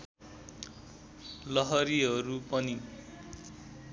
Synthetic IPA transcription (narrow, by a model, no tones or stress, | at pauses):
lʌɦʌɾiɦʌɾupʌni